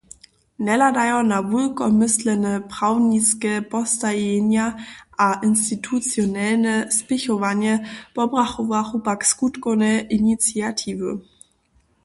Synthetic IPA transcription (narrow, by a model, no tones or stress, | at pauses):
nɛladajɔnavulkɔmɪslənəpʁ̥aʊniskəpʰɔstajenjaʔaʔɪnstitʰut͡sjonɛlnəspɪçɔvanjəpɔbʁaχuvaχubakskutkonəʔinit͡siatʰiːvə̰